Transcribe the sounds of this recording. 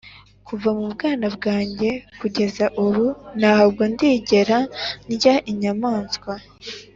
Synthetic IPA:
kuvamubɡaːnabɡaːɲɟe̞kuɟe̞zaʔuɾunahabɡondiːɟe̞ɾanjaʔiɲamaːnskwa

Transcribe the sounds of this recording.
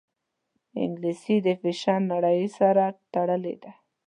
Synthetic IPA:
ɪ̰ŋɡlisid̪əfɪʃɑɾnaɽəjsaɾat̪aɽəlḛd̪a

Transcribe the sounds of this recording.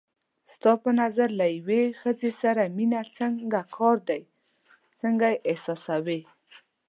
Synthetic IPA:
st̪ɑpənazaɾlajwexəzesaɾaminat͡səŋɡakʰɑɾd̪aj | t͡səŋɡajʔɪsɑsawe

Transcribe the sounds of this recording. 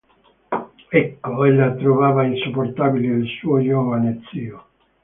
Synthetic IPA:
ɛkːoɛlːat̪ɾovaːvainsupːort̪aːbiled̪elsuːod͡ʒɔːvanet̪siːo

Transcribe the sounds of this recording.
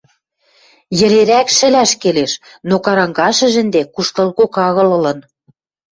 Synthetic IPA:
jɘ̆leɾækʃɘ̆læʃkeleʃ | nokɑɾɑŋɡɑʃə̆ʒɘ̆nd̪ekuʃt̪ɤ̆lɣokɑɣɤ̆lɤ̆lɤ̆n

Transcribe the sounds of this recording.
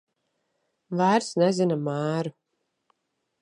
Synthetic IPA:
væːɾsnɛzinamæːɾu

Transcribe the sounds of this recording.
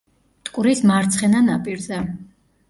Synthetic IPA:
t̪ʼkʼuɾismaɾt̪sʰχɛnanapʼiɾzɛ

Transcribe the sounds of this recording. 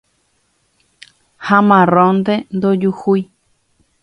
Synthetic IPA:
hãmãrõnd̪end̪od͡ʒuhuj

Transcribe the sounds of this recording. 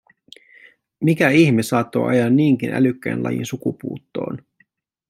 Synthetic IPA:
mikæiçmisɑːt̪ːo̞̰ʔɑ̰jɑnːiːŋk̟inʔæ̰lykːæjnlɑ̰jḭnsukupuːt̪ːo̞̰ːn

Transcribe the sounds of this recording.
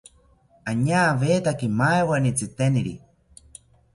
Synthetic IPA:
aɲaːβeːt̪akimaewanit͡sɨt̪eniɾḭ

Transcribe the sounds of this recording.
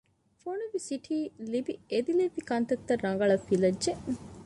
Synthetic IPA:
fonuʋisiʈʰiːlibied̪ilibikɐnt̪ɐkt̪ːɐrːɐŋɡɐɭɐfilɐdʒe

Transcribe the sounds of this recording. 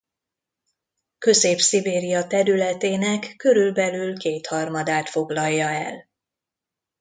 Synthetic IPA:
kø̞zeːpsibeːɾijɒt̪ɛɾylɛt̪eːnɛkːø̞ɾylbɛlylkeːt̪hɒrmɒd̪aːt̪fo̞ɡlɒjːɒɛ̰l

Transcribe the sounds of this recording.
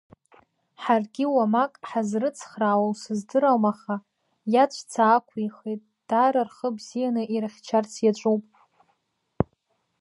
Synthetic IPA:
ħarɡʲiwamakʼħazrɨt͡sʰχraːwawsɨzdɨɾawmaχa | jat͡ʃʷʰt͡sʰaːkʷʰiχejtʼ | d̥aːɾarχəbzijanɨʔiraχʲt͡ʃʰart͡sʰjat͡ʃʷʼupʼ

